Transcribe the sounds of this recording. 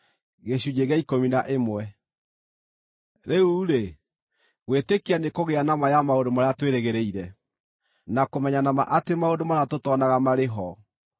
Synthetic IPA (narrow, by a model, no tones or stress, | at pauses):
ɣeɕud͡ʑeɣeaikominaʔemwɛ | ɾeuɾe | ɣwetekeanekoɣeanamajamaodomaɾeatweɾeɣeɾeiɾɛ | nakomɛɲanama̰ʔatemaodomaɾatotɔnaɣamaɾeɦɔ